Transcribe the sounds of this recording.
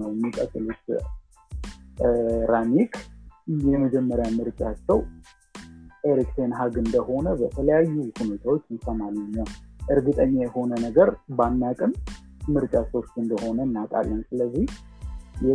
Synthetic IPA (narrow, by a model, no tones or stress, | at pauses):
əwjɛmːikʼət̪ʼːɨlot̪ | ɾanikʰjɛməd͡ʒɛmːəɾjamɨɾt͡ʃʼat͡ʃːɛw | ʔeɾikt̪ʰenɦaɡɨnd̪əho̞nəbət̪ʰələjajːuhune̞t̪ʰawot͡ʃːɨnsəmalɨɲːaʔɨɾɡɨt̪ʼəɲːajɛho̞nənəɡəɾbanːakʼɨm | mɨɾt͡ʃʼasost̪ːɨnd̪əho̞nənːakʼa̰lːənsɨləzːih | jɛ